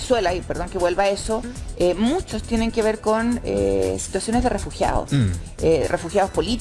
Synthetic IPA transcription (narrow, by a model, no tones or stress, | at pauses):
swelaipeɾðo̞ŋkeβwe̞lβaesoemut͡ʃost̪je̞neŋkeβeɾkonḛsi̥t̪wasjo̞ne̞zðerʔefuxja̰ðo̰s | erʔefuxjaðospo̞lit̪